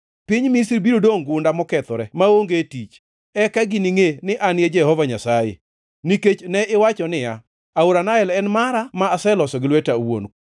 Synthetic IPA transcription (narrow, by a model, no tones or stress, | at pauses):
piɲmisɾbiɾodoŋɡʊndamɔkɛt̪ɔɾɛmaoŋɡetit͡ʃ | ɛkaɡɪniŋenɪʔanɪɛd͡ʒɛhɔvaɲasajḛ | niket͡ʃnɛʔɪwat͡ʃɔnɪja | aoɾanaɛlɛnmaɾamaːsɛlɔsɔɡɪlwɛtawo̰n